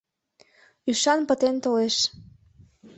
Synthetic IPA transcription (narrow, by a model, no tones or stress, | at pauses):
yʃɑnpə̆t̪ent̪oleʃ